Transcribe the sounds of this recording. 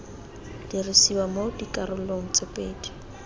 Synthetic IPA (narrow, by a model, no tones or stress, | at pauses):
d̥irɪsiwamodikʼaɾʊl̩loŋ̩t͡sʼɪpʼeːdi̥